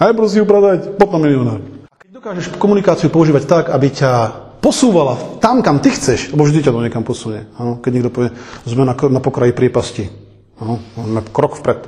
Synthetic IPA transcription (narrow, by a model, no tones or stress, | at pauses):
ɛjpɾɔs̬iupɾad̪acpɔt̪namiliɔnaːɾakɛɟd̪ɔkaːʒɛʃkɔmunikaːt͡siupɔuʒiːʋact̪akabicapɔsuːʋalat̪amkamt̪ixt͡sɛʃlɛbɔvʒd̪icad̪ɔɲɛkampɔsumɲɛanɔkɛɟɲɛɡd̪ɔpɔʋɪɛzmɛnaknapɔkɾajipɾɪɛpasci | anɔɔmɛkɾɔkfpɾɛt̪